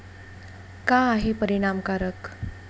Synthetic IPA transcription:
kaːɦipəɾiɽ̃amkaɾək

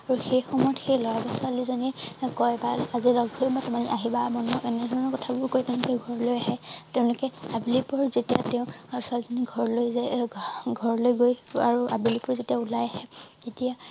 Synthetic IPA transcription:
aɹuxejxɔmɔjɔtxejlɔɹabɔsʊalizɔnikɔjbalazilɔɡbʱojmɔjtɔmaniʔaɦibamɔnɔɛnɛdʱɔɹɔnɔkɔtʰabʊɹkojtɛ̃ʊ̃lʊkɛɡʱɔɹɔlojaɦɛtɛʊ̃lʊkɛabilipɔɹzetijatɛʊ̃swalizɔniɡʱɔɹlojzɛɡʱɔɹlojɡoja̰ɹuabilipɔɹzetiaulajahɛetija

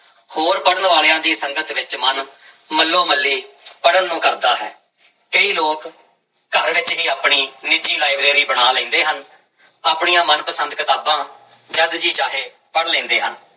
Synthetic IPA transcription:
hoːɾpəɽənʋaːljãːd̪iːsəŋɡət̪ʋɪt͡ʃmənməlːoːməlːiːpəɽənːũːkəɾd̪aːɦɛ̰ː | kəiːloːk | ɡəɾʋɪt͡ʃɦiːaːpɳiːnɪd͡ʒiːlaːiʋɾeːɾiːbəɽaːlɛ̃ːnd̪eːɦən | aːpɳiːãːmənpəsənd̪kət̪aːbãː | d͡ʒəd̪d͡ʒiːt͡ʃaːɦeː | pəɽlẽːnd̪eːɦə̰n

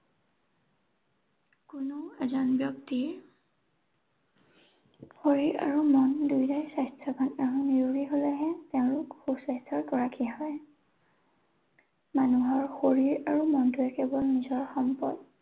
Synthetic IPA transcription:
kunoɛzanbjɔkti | xoɹiɹa̰ɹumɔndujdajsajstʰɔkʰɔnaɹuniɹɹiɦolɛɦɛteʊ̃lʊkxubsajstʰɔɹkɔɹakʰiɦɔj | manuɦɔɹxoɹiɹaɹumɔntuɛkɛbɔlnizɔɹxɔmpɔd̚

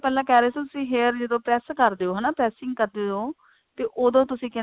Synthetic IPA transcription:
pɛːlãːkɛːɾeːsit̪ʊsĩːɦeːɾd͡ʒɪd̪õːpɾɛːskəɾd̪eːoːɦɛːnaːpɾɛːsɪ̃ŋɡkəɾd̪eːoː | t̪eːʔoːd̪õːt̪ʊsĩːkɪ

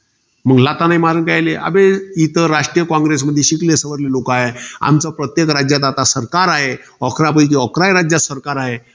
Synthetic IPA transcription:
məɡlat̪anajmaɾənkajleʔa̰beit̪əɾaʂʈɾijəkɔ̃ŋɡɾes̬məd̪ʱːjeɕiklesəʋəɾlelokaɦea̰mt͡sapɾət̪jekɾad͡ʑjat̪̬at̪asəɾkaɾaɦe | ɔkʰɾap̬əikiɔkɾajɾad͡ʑjasəɾkaɾaɦe

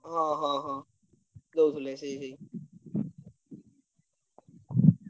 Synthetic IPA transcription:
ɦãːɦãːɦãː | d̪oːt̪ʰʊleseisei

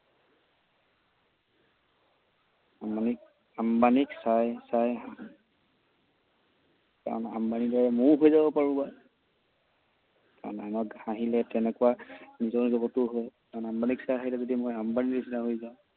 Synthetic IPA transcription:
amanik | ambaniksajsaj | ka̰ɹɔna̰mbanidɔɹɛmʊɹɦojzabɔpaɹuba | ka̰ɹɔ̰na̰nɔkhaɦilɛtɛnɛkʊwanizɔɹzɔɡɔtʊɦojkaɹɔnambaniksajaɦilɛzodimojambanilesinaɦojzaʊ̃

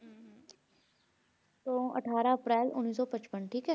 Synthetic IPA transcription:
t̪oːɐ̰ʈʰaːɾaɐpɾɛːlʊ̰nːiːsɔpət͡ʃpənʈʰiːkɦɛː

